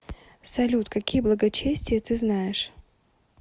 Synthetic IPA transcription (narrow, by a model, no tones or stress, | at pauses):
sɐlʲut̪kɐkʲijəblˠəɡɐt͡ɕesʲtʲɪjət̪ɨznajɪʂ